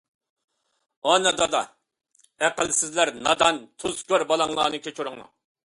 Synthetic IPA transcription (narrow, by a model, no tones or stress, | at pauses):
ɑnɨd̪ɑd̪ɑ | æqəlsɪzlæɾnɑd̪ɑnt̪ʰuzkʲøɾbɑlˠɑŋlˠɑːnɨkʲʰet͡ʃʰuɾʊŋlˠɑ̰